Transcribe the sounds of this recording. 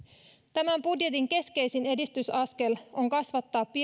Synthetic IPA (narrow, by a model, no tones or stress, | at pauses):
t̪æmæmbudje̞t̪iŋke̞ske̞jsine̞dist̪ysɑske̞lo̞ŋkɑsʋɑt̪ːɑːpːi